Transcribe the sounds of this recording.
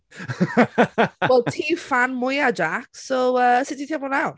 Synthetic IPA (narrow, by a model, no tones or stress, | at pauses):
wɛlˠtʰiːfanmʊjad͡ʒaksoəsɪtitʰiablɔnawt